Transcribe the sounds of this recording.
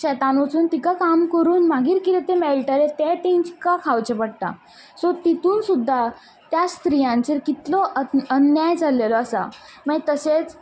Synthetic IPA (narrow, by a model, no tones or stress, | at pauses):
ɕɛt̪anot͡suːnt̪ikakamkəɾuːnmaɡiːɾkit̪et̪emɛlʈəɾet̪ɛʈ̪ĩt͡ɕkakʰawt͡ɕepəɽ̚t̪a̰ | sɔt̪it̪uːnsud̪ʱːa | t̪jast̪ɾijãnt͡ɕeɾkit̪lɔənjajd͡zʱalelɔəsa̰mət̪əset͡s